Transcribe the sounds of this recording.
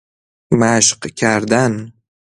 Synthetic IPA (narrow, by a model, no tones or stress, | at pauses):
maʃqkʲʰaɾd̪an